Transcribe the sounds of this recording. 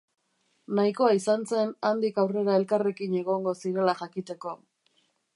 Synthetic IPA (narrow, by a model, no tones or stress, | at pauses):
naikoaisanse̞nand̪ikawre̞ɾae̞lkare̞kine̞ɣ̞o̞ŋɡosiɾe̞laʝakit̪e̞ko̞